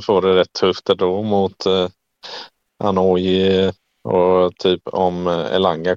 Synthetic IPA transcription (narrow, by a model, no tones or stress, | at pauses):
foːɖɛɾɛt̪ʰːɵft̪ɛɖ̪oːmʊt̪ | ʔa̰noːjɪ | ɔt̪ʰyːpɔmɛ̰laŋɡa